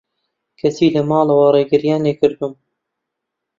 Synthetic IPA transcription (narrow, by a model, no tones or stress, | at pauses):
kʰɐsiːlɐmɑːlɐwɐɾeːɡɨɾjaːneːkɨɾd̪um